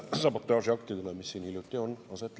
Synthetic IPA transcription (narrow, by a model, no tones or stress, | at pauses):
sɑpot̪ːˑøɑˑsjɑkt̪id̪unɑmisːiːnhiljut̪ːˑionɑset̪ːˑ